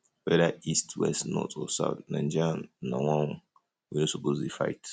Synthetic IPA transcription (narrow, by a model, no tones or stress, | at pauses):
wɛdaistwɛ̰stnɔ̰tʰɔsa̰ʊtnãnd͡ʒannãwãwu | winosopozdefa̰jt